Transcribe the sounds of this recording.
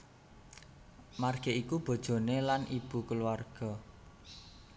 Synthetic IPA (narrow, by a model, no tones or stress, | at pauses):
marɡ̥e̤ʔikub̥o̤d̥ʒ̥o̤nelanʔib̥ṳkəluwarɡ̥ɔ̤